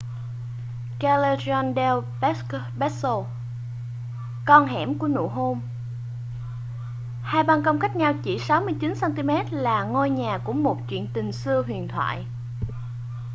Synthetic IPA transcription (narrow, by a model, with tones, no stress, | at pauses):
ka˧le˧zɔ˧nɗɛ˧wɓk | ɓɛ˦˥t̚so˧ | kɔ˧nɦɛ̰˧˩mku˧˩ənṵ˧˨ɦo˧m | haː˧jɓa˧nkə˧wŋ͡mka˦˥jk̟̚ɲa˧wt͡ɕi˧˩sa˨˦wmɨ˧əjt͡ɕi˨˦nsa˧nt̪i˧mɛ˦˥t̚laː˨˩ŋo˧jɲaː˨˩kṵ˧˩əmo˨˩t̚t͡ɕwḭ˧˨ənt̪ï˨˩ŋsɨ˧əɦwḭ˧˨ənt̪ʰwa̰ː˧˨j